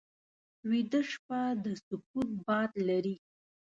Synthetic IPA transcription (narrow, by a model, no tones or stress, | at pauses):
wid̪əʂpad̪əsʊput̪̚bɑd̪laɾi